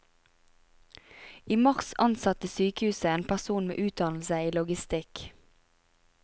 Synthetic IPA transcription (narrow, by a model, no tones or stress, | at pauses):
iːmɑʁsɑnsɑt̪əsyːkəhʉːsəeːnpʰæʁsuːnmḛːʔʉːt̪̚d̪ɑnl̩səiːlʊɡɪst̪ɪk